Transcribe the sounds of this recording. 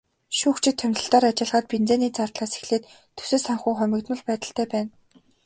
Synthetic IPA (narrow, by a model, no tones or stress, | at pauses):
ʃuːkt͡ɕʰɪ̆t̪ʰːœmʲt̪ɮə̆ɬt̪aːɾat͡ɕɪ̆ɮʁaːt̪̚pint͡seːniːt͡sart̪ɮaːse̥xɮeːt̪ | t̪ʰːɵ̥sɘ̆saŋχujχʊmʲɪ̆kt̪mə̆ɮpæːt̪ə̆ɬt̪æːpæːn